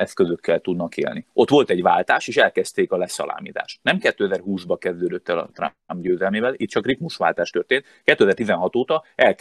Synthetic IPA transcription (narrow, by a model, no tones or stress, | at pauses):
ɛskøzøkʰːɛlt̪ud̪nɒkḛːlniʔo̞t̪ʋo̞lt̪ɛɟʋa̰ːlt̪aːʃeːʃɛlkɛst̪eːkɒlɛsɒ̰lʔa̰ːmḭːt̪a̰ːʃnɛmkɛt̪ːøːɛzɛrhuːzbɒkɛzd̪øːd̪øt̪ːɛlɒ̰t̪ra̰ | mbɟøːzɛlmeːvɛliːt̪t͡ʃɒkrip̪muʃʋaːlt̪aːʃt̪ørt̪eːnt̪kɛt̪ːøːɛzɛrt̪izɛnɦɒt̪oːt̪ɒɛl